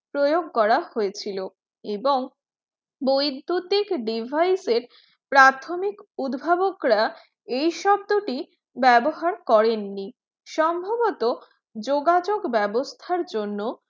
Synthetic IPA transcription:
pɾojoɡkɔɾahoet͡ɕʰilo | eboŋ | bojd̪ʱːut̪ikɖibʱajseɾ | pɾat̪ʰomikud̪bʱabokɾa | ejʃɔb̚d̪oʈi | bɛboɦaɾkɔɾenːi | ʃɔmbʱabot̪o | d͡ʑoɡad͡ʑoɡbɛbost̪ʰaɾd͡ʑonːo

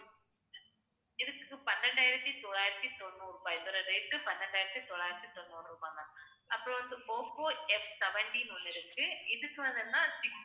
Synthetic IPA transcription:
ɪðɯkːɯpɐnːɐɳɖaːjɪɾɐt̪ːit̪ɔːɭaːjɪɾɐt̪ːit̪ɔnːɯɾupaːjɪðɔɾɐɾeːʈːɯpɐnːɐɳɖaːjɪɾɐt̪ːit̪ɔɭːaːjɪɾɐt̪ːit̪ɔnːɯnɯɾɯpːaːŋɡa | ʔɐpːɯɾõʋɐnd̪ɯpoːkoːɛfsɛʋɐɳʈinʊlːɪɾɯkːɯɪðɯkːɯʋɐnd̪ɯt̪ːãːsɪk

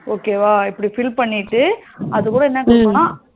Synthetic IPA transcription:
oːkeːʋaːɪpːɐɽifɪlpɐɳːɪʈːɯɐðɯkuːɽɐɛnːɐkɐːpːonãː

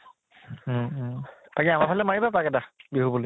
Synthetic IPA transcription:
pakiamapʰalɛmaɹibapakɛdabiɦubuli

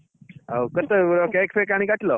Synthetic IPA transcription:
awkət̪əɾɔkakfekaɽ̃ikaʈlɔ

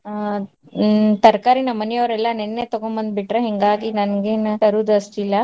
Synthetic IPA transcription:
t̪ɐɾkaːɾinɐmənijɐʋɾɛlːanenːet̪ɔɡõmbɐnd̪̚biʈɾaɦiŋɡaːɡinɐnɡenɐɾuːd̪ɐsʈ̪ila

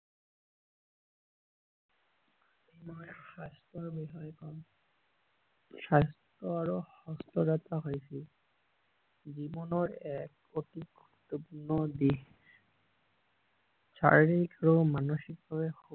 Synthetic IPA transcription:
emɔʃast̪ɔɹbiɦɔjkɔn | ʃast̪ɾɔaɹohɔst̪ɔdat̪aɦojsil | zibɔnɔɹɛk | ot̪iɡʱ | ut̪ːɔpunːɔd̪i | sa̰ɹɹikaɹomanoʃik̚bɔɹeho

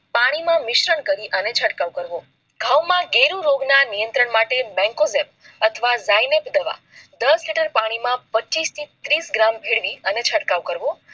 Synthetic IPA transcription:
paɽ̃imãmɪʃɾəɳkəɾiʔənet͡ʃʰəʈkaʋukəɾʋo | ɡʱawmãɡeɾũɾoɡnanijə̃nt̪ɾəɳmaʈemɛ̃ŋkozep̚ | ət̪ʰəʋazajnepd̪əʋa̰ | d̪əsliʈəɾpaɽ̃imãpət͡ʃist̪ʰit̪ɾisɡɾambʱeɭʋiənet͡ʃʰəʈkaʋkəɾʋo

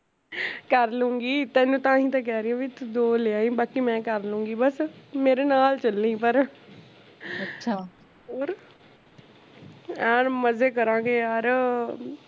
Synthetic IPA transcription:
kəɾlũːŋɡiːt̪ɛ̃ːnũːt̪ãːɦĩːt̪ɛ̃ːk̬ɛːɾijãːbit̪ʊd̪oːleãːĩːbaːkimɛ̃ːkəɾlũːŋɡiːbəsmeːɾeːnaːlt͡ʃəlnĩːpəɾ | əʃʰa | oːɾ | aːməzeːkəɾãːɡeːaɾ

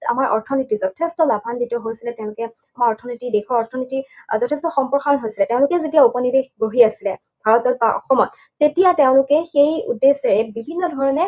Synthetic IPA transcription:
a̰maɹʔɔ̰ɹtʰɔnitizɔtʰestɔlabʱanditɔɦojsilɛtẽʊ̃lʊkɛ | amaɔɹtʰɔnitidekʰɔɔɹtʰɔnitizɔtʰestɔxɔmpɹɔxaɹɔnɦojsilɛteʊ̃lʊkɛzetijaupɔnibexboɦiasilɛ | bʱaɹɔtɔd̚baɔ̰xɔmɔtːetijateʊ̃lʊkɛxejṵdːesɛɹɛbibʱinːɔdʱɔɹɔnɛ

